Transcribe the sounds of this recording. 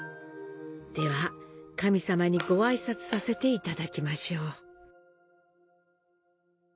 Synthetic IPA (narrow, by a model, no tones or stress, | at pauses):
d̪̥e̞βakamʲisamaɲ̟iɡo̞aisat͡sɨ̥sase̞t̪e̞it̪ad̪akʲimaɕo̞ː